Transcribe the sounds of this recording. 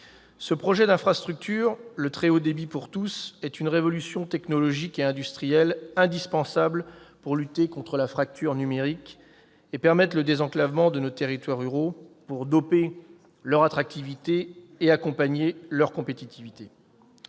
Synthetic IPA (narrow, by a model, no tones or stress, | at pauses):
səpχɔʒɛd̪ɛ̃fχast̪χyk̚t̪ʰyʁlət̪χɛod̪ebipuʁt̪usɛt̪ynʁevɔlysjɔ̃t̪ɛknɔlɔʒikeɛ̃d̪yst̪χijɛlɛ̃d̪ispɑ̃sablpuʁlyt̪ekɔ̃t̪χəlafχak̚t̪yʁnymeʁik | epɛʁmɛt̪ləd̪ezɑ̃klavmɑ̃d̪ənot̪eʁit̪waʁyʁopuʁd̪ɔpe | lœʁat̪χak̚t̪ivit̪eː | akɔ̃paɲelœʁkɔ̃pet̪it̪ivit̪e